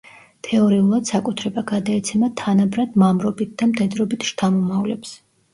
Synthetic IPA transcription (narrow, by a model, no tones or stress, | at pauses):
t̪ʰɛɔɾiulˠad̪̥sakʼut̪ʰɾɛbaɡad̪aɛt̪sʰɛmat̪ʰanabɾad̪̥mamɾɔbit̪̚ʰd̪amt̪ʰʼɛd̪ɾɔbit̪ʰʃt̪ʰamɔmavlɛ̰ps